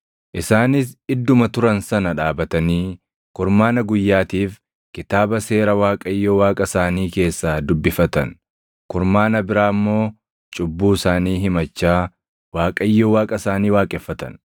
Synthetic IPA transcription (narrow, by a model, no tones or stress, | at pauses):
ʔɪsaːnɪs̬ɪd̪ːʊmɐt̪ʊɾɐnsɐnɐᶑaːbɐt̪ɐniː | kʊɾmaːnɐɡʊjːaːt̪iːf | kɪt̪aːbɐse̞ːɾɐwaːkʼɐjːoːwaːkʼɐsaːniːke̞ːsːaːd̪ʊbːɪfɐt̪ɐ̰n | kʊɾmaːnɐbɪɾaːmːo̞ː | t͡ʃʼʊbːuːsaːniːɦɪmɐt͡ʃːaː | waːkʼɐjːoːwaːkʼɐsaːniːwaːkʼɛfːɐt̪ɐ̰n